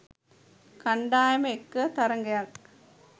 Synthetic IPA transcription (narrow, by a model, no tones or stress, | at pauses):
kɐɳɖaːjɐmɐekːɐt̪ɐɾɐŋɡɐjak